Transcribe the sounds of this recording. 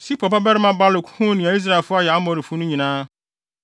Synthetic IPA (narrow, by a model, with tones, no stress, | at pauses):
si˦pʰɔ˨pa˦bɛ˦ɾɪ˦mã˦ba˦lʊ˨kʰhũ˦nɪ̃˨a˨i˦s̬ɾa˦˨e˨lfʊ˦a˦jɛ˨a˦mɔ̃˨˦˨ɾɪ˨fu˦nʊ̃˦ɲĩ˨nãː˦